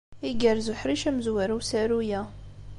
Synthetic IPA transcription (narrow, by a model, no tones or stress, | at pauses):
iɡæɾzuħɾiʃæməzwæɾuwsæɾujæ